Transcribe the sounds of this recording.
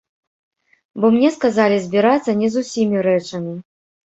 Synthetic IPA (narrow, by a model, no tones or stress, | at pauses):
bɔmnʲɛskazalʲizʲbʲiɾat̪sːɐnʲɛzusʲimʲiɾɛt͡ʂɐmʲi